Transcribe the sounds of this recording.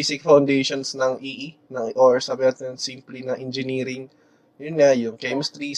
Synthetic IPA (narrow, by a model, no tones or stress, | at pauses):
isɪk̚fɐwnd̪ejʃonsnɐŋʔiːʔi | nɐŋʔoɹsaːbɪnɐt̪ɛnsimplinɐʔɛnd͡ʒɪniːɾɪŋ | jʊnŋajʊŋkɛjmst̪ɾi